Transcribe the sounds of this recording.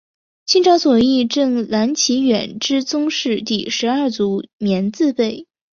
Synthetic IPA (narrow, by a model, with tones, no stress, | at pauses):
t͡ɕʰi˥nʈ͡ʂʰɑ˧˥ʊswɔ˨˩i˥˧ʈ͡ʂɤ˥˩ŋla˧˥nt͡ɕʰi˧˥ɥɛ˨˩nʈ͡ʂɻ̩˥t͡sʊ˥ŋʂɻ̩˥˧t̪ḭ˥˩ʂɻ̩˧˥a˞˥˩t͡su˧˥mjɛ˧˥nt͡sɹ̩˥˧pe˥˩ɪ